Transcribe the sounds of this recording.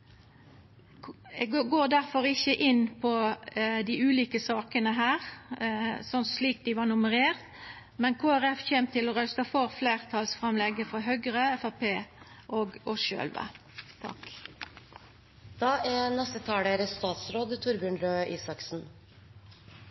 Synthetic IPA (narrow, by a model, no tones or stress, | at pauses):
ɛɡoːd̪æɾfɔɾɪçəʔɪnpʰɔd̪ɪʉːliːkəsɑːkənəɦæːʁ | sɔnsliːk̚d̪ɪʋɑnʊməʁeːʁt̪ | mɛnkʰoːæʁɛfçeːmt̪ʰɪlɔɾœst̪ɑfɔʁfleːʁt̪ʰɑlsfʁɑmlɛɡəfɔɦœɡɾəɛfæpʰeː | ʔoːɡɔsø̰ːlʋə̰ | t̪ʰɑ̰k | d̪̥ɑːænɛst̪ət̪ʰɑːɽəɾəst̪ɑːt̪sɾoːd̪t̪ʰʊɾbjʏnɾøːʔiːsɑksn̩